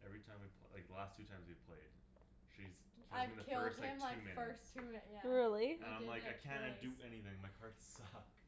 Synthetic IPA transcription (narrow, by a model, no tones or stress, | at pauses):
ʔɛvɹitʰãɪ̃mwiv̥pʰlaɪk̚ðəlæstʰʉtʰãɪ̃mzwiv̥pʰl̥eɪd̥ | ʃiz̥ | kʰɪaɪ̃ðɨɪlˠdsmaɪʉmɪnɜ˞stʰʉmɪjæɹɪlˠiɨ̃nãɪ̃mlaɪkaɪkʰæ̃n̚d̥ʉɛniθɪ̃ŋmaɪhɑɹtssʌk